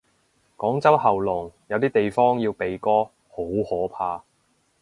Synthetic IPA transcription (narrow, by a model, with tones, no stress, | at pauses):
kɔː˨˥ŋt͡sɐ˥whɐ˨wlʊ˨˩ŋjɐ˨˧wt̪iː˥t̪e˨jfɔː˥ŋjiː˧wpe˨jkɔː˥ | ho˨˥whɔː˨˥pʰaː˧